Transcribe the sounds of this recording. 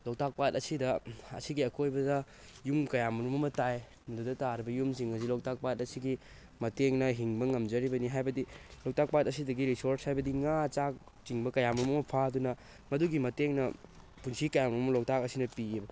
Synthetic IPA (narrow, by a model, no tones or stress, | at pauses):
lok̚tak̚pat̚ɐsidɐɐ̰siɡiɐkojbɐdɐ | jumkɐjamɾumɐmɐtaj | mɐdudɐtaɾibɐjumsiŋɐs̬ilok̚tak̚pat̚ɐsiɡi | mɐteŋnɐɦiŋbɐŋɐmd͡ʒɐɾibɐniɦajbɐdilok̚tak̚pat̚ɐsidɐɡiɾisoɾshajbɐdiŋat͡ʃak̚ | t͡ʃiŋbɐkɐjamɾumɐmɐpʰadunɐ | mɐduɡimɐteŋnɐ | punsikɐjamɾumɐmɐlok̚takɐsinɐpiebɐ